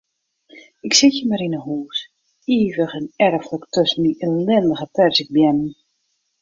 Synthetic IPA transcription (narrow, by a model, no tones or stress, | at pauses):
ɪksɪtjəmaɾinəɦuːs | iːvəχɛnɛrfləktøsən̩iʔəlɛndəɣətɛrsɪk̚bjɛnən